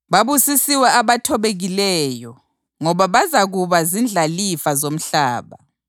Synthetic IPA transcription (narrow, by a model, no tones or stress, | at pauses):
βaβusisiwɛaβatʰɔβeɣilɛːjɔ | ŋɔβaβazaɣuβazind͡ɮʱalifazom̩ɬaːβa̰